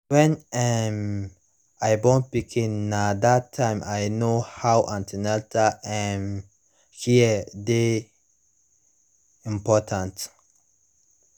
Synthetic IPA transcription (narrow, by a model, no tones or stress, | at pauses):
wɛ̃nɛm | ajbõnt̚pikʰĩnːadatʰːãɪ̃majnohawʔãntʰinɛltʰaʔɛ̃m | hiəde | ĩmpɔtʰãnt